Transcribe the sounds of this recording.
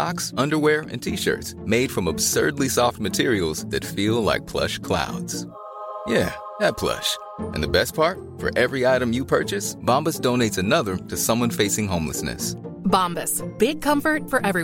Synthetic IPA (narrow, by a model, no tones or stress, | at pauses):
ɑksʌ̃ndə˞wɛɹɨ̰̃ntʰiʃɜ̰˞tsmeɪd̥fɹʌ̃məb̥sɜ̰˞dˡlisɔft̚mɨtʰɪɹil̩ˠz̥ðɨ̰tfilˠla̰ɪk̚pʰl̥ʌ̰ʃkʰl̥a̰ʊdz̥ | jæ | ðɨt̚pʰl̥ʌ̰ʃ | ʔɨ̰̃nðɨbɛs̚pʰɑɹt̚ | fə̰˞ʔɛvɹiaɪɾɨ̃mjɨpʰɜ̰˞t͡ʃɨsb̥ɑ̃mbɨsd̥õʊ̃neɪtsɨnʌðə˞ɾɨsʌ̃mwʌ̃nfeɪsɪ̃ŋɦõʊ̃mlə̰snɨ̰sbɑ̃mbɨsb̥ɪɡ̚kʰʌ̃ɱfə˞tfə˞ʔɛvɹi